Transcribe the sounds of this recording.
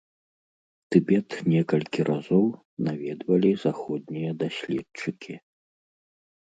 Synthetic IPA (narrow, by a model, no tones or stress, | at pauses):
t̪ɨbʲɛt̪nʲɛkɐlʲkʲiɾʔazɔw | navʲɛd̪vɐlʲizaxɔd̪̚ʲnʲijɐd̪asʲlʲɛt͡ʂɨkʲʰi